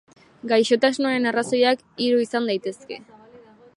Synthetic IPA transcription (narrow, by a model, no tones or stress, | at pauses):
ɡajʃo̞t̪asnuaɾe̞naraso̞jak | iɾuisand̪ajt̪e̞ske̞̰